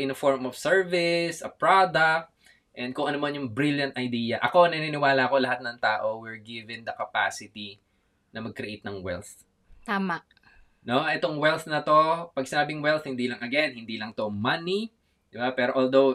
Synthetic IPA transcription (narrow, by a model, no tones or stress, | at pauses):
ʔɪnfoɹmɔfsɛɹvɪsʔɐpɹod̪ɐk̚t̪̚ | ʔɛ̃n̚kʊŋʔɐnomɐnjʊŋbɾiljɐnt̪̚ʔɐjd̪iːjɐʔɐko̞nɐninɪwaːlɐɐkolɐhat̪̚nɐŋt̪aːʔo̞wɪɹɡɪvɪ̃ŋd̪ɐkɐpa̰ːsɪt̪i | nɐmɐɡ̚kɾɛʔejt̪̚nɐŋwɛ̰lθ | t̪aːmaʔ | noʔɛt̪o̞ŋwɛlθnɐt̪o̞pɐɡ̚sɪnaːbɪŋwɛlθhɪnd̪iːlɐŋɐɡɛnhɪnd̪iːlɐŋt̪o̞mɐni | d̪ɪbapɛːɾo̞ʔold̪ow